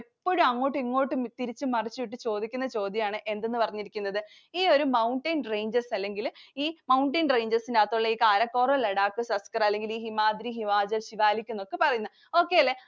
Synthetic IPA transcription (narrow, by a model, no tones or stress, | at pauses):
epːoɻumɐŋːo̞ːʈːɨiŋːo̞ːʈːɨmt̪iɾit͡ɕːɨmɐrit͡ɕːuʋiʈ̬ːɨt͡ɕo̞ːd̪ikʲːunːɐt͡ɕo̞ːd̪jɐmaːɳɨʔe̞nd̪e̞nːɨpɐrɐɲːiɾikʲːunːɐðɨ | iːo̞ɾumɐwɳʈɐːnrejɲd͡ʑɐrsɐlːe̞ŋɡiliːmɐwɳʈeːnrejɲd͡ʑɐrsinaːt̪ːuɭːɐiːkaːɾɐkːoːrɐleɽaːkːɨsɐskɐrɐlːe̞ŋɡiliːɦimaːd̪ɾiɦiʋaːd͡ʑɐlɕiʋaːlikʲːunːo̞kːepɐrɐjunːɐ | o̞ːkːe̞ːɐlːe̞